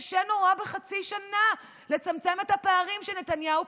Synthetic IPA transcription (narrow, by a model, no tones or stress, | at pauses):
ʃenoʁabeχat͡siʃana | le̞t͡samt͡se̞met̪hapeːʁimʃelnet̪anjau